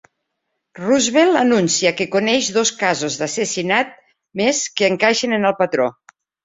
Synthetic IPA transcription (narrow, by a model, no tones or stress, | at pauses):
ruzβelˠənunsiəkekonɛʒðoskazozðasesinat̪̚ | meskəːŋkaʃenenəlˠpat̪ɾo